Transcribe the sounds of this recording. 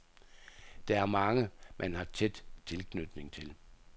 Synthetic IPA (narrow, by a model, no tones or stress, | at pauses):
d̥ɑ̈æɐmɑ̈ŋəmʔænhɑ̈t͡sʰed̥t͡sʰe̝lkʰnyd̥ne̝ŋt͡sʰe̝l